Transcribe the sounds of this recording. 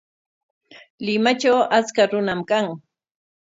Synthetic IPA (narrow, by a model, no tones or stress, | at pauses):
lɪmat͡ʃawat͡skaɾʊnamkaŋ